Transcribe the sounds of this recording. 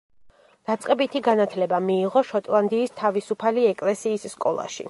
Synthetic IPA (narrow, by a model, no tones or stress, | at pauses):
d̪̥at̪sʼqʼɛbit̪ʰiɡanat̪ʰlɛbamiːʁɔʃɔt̪ʼlˠand̪iːst̪ʰavisupʰaliɛkʼlɛsiːsːkʼɔlˠa̰ʃḭ